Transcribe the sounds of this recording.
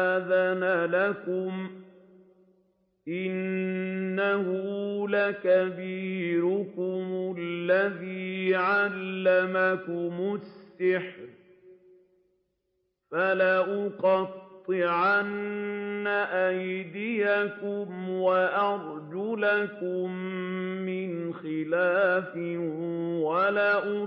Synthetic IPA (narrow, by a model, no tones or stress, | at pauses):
aðanalakʊm | ʔɪnː | ahʊlakabiːɾʊkʊmʊlːaðiːʕalːamakʊmʊssːɪħɾ | falaʔʊqɑt̪ˤːɨʕanː | aʔajd̪ɪjakʊmwaʔɑɾˤd͡ʒʊlakʊmː | ɪnxɪlaːfɪ | walaʔʊ